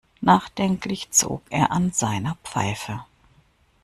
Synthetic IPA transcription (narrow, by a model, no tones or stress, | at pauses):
naːχd̥ɛŋklɪçt͡so̰ːkʔeːɐʔanzaɪnɐpp͡fa̰ɪfə